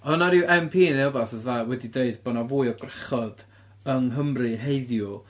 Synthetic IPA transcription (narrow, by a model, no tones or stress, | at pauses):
ɔnaɾiwʔɛmpʰiːneɔbasəvðaːwɛdideɨdb̥ɔnavuːɨɔɡraχɔd̥ | əŋɦəmrɨɦeɨðjʊ